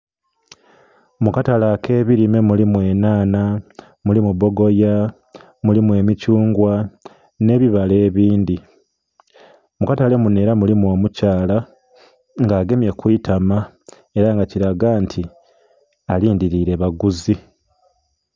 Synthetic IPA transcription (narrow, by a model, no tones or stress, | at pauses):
mukatalakʰe̞ːβiɾime̞mulimwe̞ːnaːna | mulimuβo̞ɡo̞ja | mulimwe̞ːmicuːŋɡwa | ne̞ːβiβale̞ːβiːndi | mukatale̞mune̞ːɾamulimwo̞ːmucaːla | ŋɡaːɡe̞mje̞kwiːtʰama | e̞ɾaŋɡaciɾaɡaːntʰi | aliːndiɾiɾe̞βaɡuzi